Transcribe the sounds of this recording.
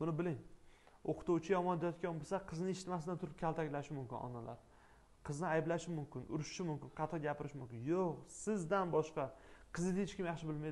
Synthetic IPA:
b̥ʊnɪbɪlɪŋoqʰɨ̥t̪uwt͡ʃʰɪjɒmɒnd̪ejɒt̪̚kʲanbosaqʰɨznɪʃɪt̪masɪd̪ant̪ʰʊɾɪp̚kʲʰalˠt̪ʰakʲlaʃɪmʊmkʲɪnɒ̰nala̰ɾ | qʰɨznɪajblaʃɪmʊmkʲʰɪnʔʊɾʊʃʃɪmʊmkʲɪnqʰɑt̪ʰɑɡʲapʰɪɾɪʃmʊmkʲɪnjoqsɪzd̪anbɒʃqɑqʰɨzɪd̪ejɪt͡ʃkʲɪmjaχʃɪbɪlma

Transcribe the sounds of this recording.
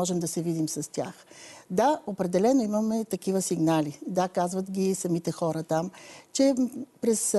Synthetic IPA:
ɔʒɛmd̪ɐsɛvid̪imsɐst̪ʲjaxd̪aopɾɛd̪ɛlɛnoiməmɛt̪ɐkivəsiɡnalid̪akazvɐt̪ɡʲisɐmit̪ɛxɔɾət̪amt͡ʃɛpɾɛs

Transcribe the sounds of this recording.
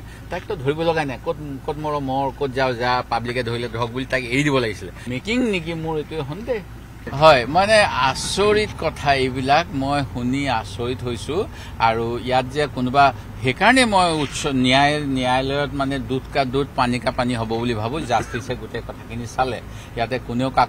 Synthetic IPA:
tajk̚tɔdʱoɹibɔlɔɡajnajkotkotmɔɹɔmɔɹkot̚ʰzawzapablikɛdʱoɹilɛdʱɔk̚bulitajkeɹidibɔlaɡisilɛmekiŋnik̬imʊɹetuɛɦʊndɛ | ɦɔjmanɛasoɹitkɔtʰaebilakmojxuniasoɹitɦojsʊ | aɹuijat̚ziakʊnʊba | xekaɹɔnɛmojutsɔnijajnijajlɔjɔt̚manɛdutʰkadut̚panikapaniɦobɔbulibʱabʊ̃zastisɛɡutɛkɔtʰakʰinisalɛ̰ | jatɛkʊneʊka

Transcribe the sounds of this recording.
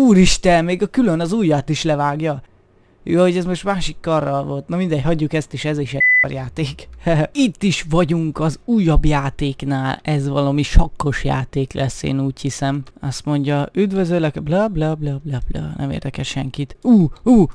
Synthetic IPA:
uːɾiʃt̪ɛnmeːɡɒkylønɒzuːjːat̪iʃlɛvaːɡjɒ | jho̞ɟɛzmo̞ʃt̪maːʃikːɒrːɒlvo̞lt̪nɒmind̪ɛchɒɟːukɛst̪eːʃɛzeːʃɛo̰rjaːt̪eːkit̪ːiʃʋɒɟuŋkɒzuːjːɒbjaːt̪eːknaːlɛzʋɒlɒmiʃɒkːo̞ʃja̰ːt̪eːklʔɛsːḛːnuːchisɛmɒst̪mo̞ɲɟɒyd̪vøzøːlɛkblɒblɒblɒblɒblɒ̰nɛ̰mḛːrd̪ɛkɛʃʃɛŋkit̪uːuː

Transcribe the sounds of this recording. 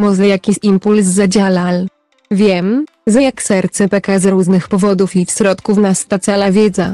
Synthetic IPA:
mɔzlɛjakʲiɕimpulsːad͡ʑalal | vʲjɛm | zajaksɛɾt̪sɛpɛkazɾuʐnɘxpɔvɔd̪ufifɕɾɔt̪kufnast̪at̪salavʲjɛd̪za

